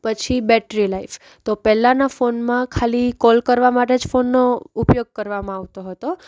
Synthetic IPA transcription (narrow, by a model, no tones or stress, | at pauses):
pət͡ʃʰibɛʈɾilaif | t̪opɛlːãnafonmãkʰalikɔlkəɾʋamaʈed͡ʒfonːoupjoɡ̚kəɾʋamãaʋt̪oɦət̪o